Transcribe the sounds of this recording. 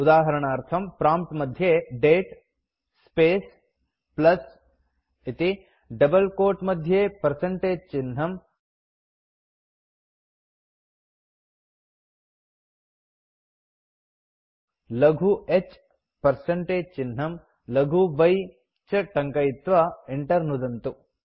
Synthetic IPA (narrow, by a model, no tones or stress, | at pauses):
ud̪aːɦɐɾɐɳaːɾt̪ʰɐmpɾaːmp̚ʈmɐd̪ʱjeɖeːʈ | speːs | plɐs | it̪i | ɖɐbɐlkoːʈmɐd̪ʱjeːpɐɾsɐɳʈeːd͡ʒt͡ʃɪnɦɐm | lɐɡʱuet͡ʃ | pɐɾsɐɳʈeːd͡ʒt͡ʃinɦɐm | lɐɡʱuʋɐj | t͡ʃɐʈɐŋkɐjit̪ʋɐeɳʈɐɾnud̪ɐnt̪u